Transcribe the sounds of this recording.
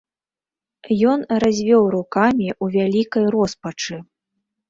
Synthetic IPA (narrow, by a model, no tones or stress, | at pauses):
jɔnrazʲvʲɔwɾukamʲiʔuvʲalʲikɐjrɔspɐt͡ʂɨ